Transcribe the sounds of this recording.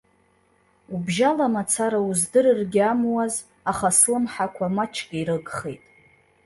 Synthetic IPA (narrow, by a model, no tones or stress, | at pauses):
ubʒalamat͡sʰaɾauzdɨrɨrɡʲɪamwaz | aχaslɨmħakʷʰamat͡ʃʰkʲʼaiɾɨɡχejtʼ